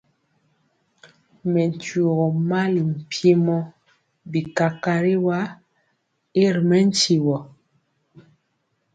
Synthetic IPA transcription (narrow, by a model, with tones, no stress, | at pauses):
mɛ˨n˨tu˨o˨ɣɔ˨ma˦li˨m̩˨pje˦mɔ˦ | bi˨ka˨ka˨ɾi˦wa˦ | e˦ɾmɛ˦n̩˦t͡ʃi˨wɔ˨